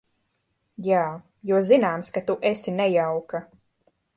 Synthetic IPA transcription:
jaː | juɔzinaːmskat̪uʔesinɛjawka

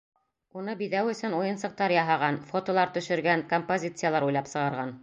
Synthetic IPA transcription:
unɤbiðæwɵ̆sɵnujɤ̆nsɤ̆q̚t̪ɑɾjɑɦɑʁɑnfot̪olˠɑɾt̪ɵ̆ʃɵ̆ɾɡæŋkompozʲit̪sɨjalˠɑɾujlˠɑpsɤ̆ʁɑɾʁɑn

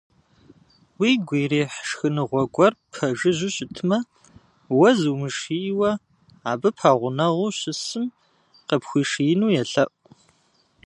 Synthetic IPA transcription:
wiːɡʷeːreːħʂxɨnɨʁʷɔɡʷʼɔrpʰɐʒɨʑɪɕʼɪtʰɨmɐ | wɐzumɨʂiwɐ | aːbɨpʰaːʁʷʊnɐʁʷuːɕɪsɨm | qəpxʷiːʂijɪnuːjɛɬɐʔʼ

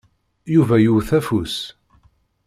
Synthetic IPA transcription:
juvæjuwθæfus

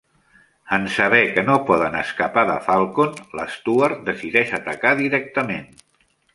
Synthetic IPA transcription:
ənsəβɛkənopɔðənəskəpaðə̰falˠkonlə̰st̪uəɾt̪̚d̪əsiðɛʃət̪əkaðiɾɛk̚t̪əmen

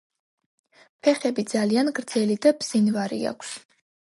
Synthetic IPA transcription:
pʰɛχɛbid̪zalianɡɾd̪zɛlid̪abz̥invaɾḭa̰kʷʰs

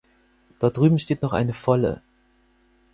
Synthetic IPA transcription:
d̥aɐt̚d̥ʁyːbm̩ʃteːtnɔχʔa̰ɪnəfɔlə̰

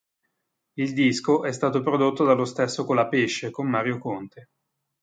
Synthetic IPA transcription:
ild̪iskoʔɛst̪aːt̪opɾod̪ot̪ːod̪alːost̪esːokolapeʃːekomːaːɾjokont̪e

